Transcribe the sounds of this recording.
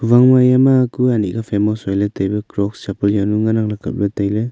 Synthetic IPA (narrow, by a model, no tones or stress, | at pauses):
pʰubaŋmajamakʰuanḭɡapʰemɔsɔjlatajbɐkɾɔksapɯljanuŋanaŋlakʰa̰t̚bɐtajlɯ